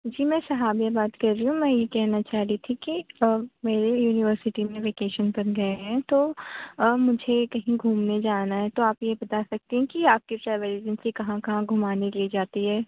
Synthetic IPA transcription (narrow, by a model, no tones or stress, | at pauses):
d͡ʒiːmɛ̃ːsɐɦaːbijabaːt̪kɐɾːiɦũmɛ̃ːjekɛɦnat͡ʃaːɦɾit̪ʰikimeːɾejuːnɪʋəɾsɪʈimẽʋeːkeːʃənpɐɾɡɐeɦɛ̃t̪oː | mʊd͡ʒʱekɐɦĩɡʱuːmned͡ʒaːnaɦɛt̪oaːpjebɐt̪asɐk̚t̪eɦɛ̃kiaːp̚kiʈɾɛːʋəlɪd͡ʒɪnsikɐɦãkɐɦãɡʱʊmaːnelid͡ʒaːt̪iɦɛː